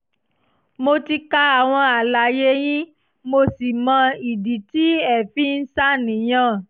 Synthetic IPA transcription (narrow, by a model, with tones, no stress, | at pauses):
mo˧ti˧ka˦a˨w̃ɔ̃˧a˨la˨je˨˦j̃ĩ˦ | mo˧si˨mɔ̃˧i˨di˨ti˦ɛ˦˨fi˦n̩˦sa˦nĩ˨j̃ã˦˨